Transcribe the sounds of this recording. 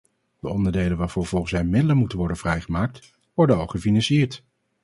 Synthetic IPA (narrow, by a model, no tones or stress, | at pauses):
d̥əɔndəɹdejlənʋaːɹv̥ʊːɹv̥ɔlˠχən̩sʋɛjmɪdələnmutənʋɔɹdənv̥rɛjχəmaːk̚t | ʋɔɹdənokχəfinɑnsiɪːɹt